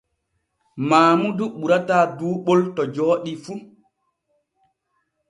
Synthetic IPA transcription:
maːmuduɓuɾataːduːɓɔltɔd͡ʒɔːɗifu

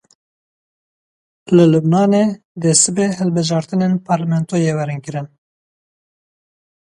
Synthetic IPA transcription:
lɨlubnɑːneː | d̪ɛsɨbeːɦɛlbɨʒɑːɾt̪ɨneːnpʰɑːɾlɛmɛnt̪oːjeːwɛɾɨnkɨɾɨn

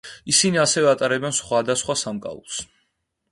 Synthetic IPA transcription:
isiniasɛvɛat̪ʼaɾɛbɛnsχwad̪asχwasamkʼa̰ṵlˠs

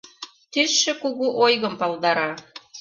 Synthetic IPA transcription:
t̪ysʃĕkuɣuʔojɣəmpɑlˠd̪ɑɾɑ

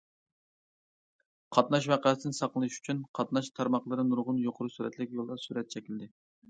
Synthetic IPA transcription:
qʰɑt̪nɑʃ̬wæqɑːsɨnɨsɑqlˠɨnɨʃy̥t͡ʃʰynqʰɑt̪nɑʃt̪ʰɑɾmɑχlˠɨɾɨnuɾʁʊnjoqʰʊɾusyɾɛt̪ʰlɪkʲjolˠd̪ɑsyɾɛt̪̚t͡ʃʰɛkʲild̪ɪ

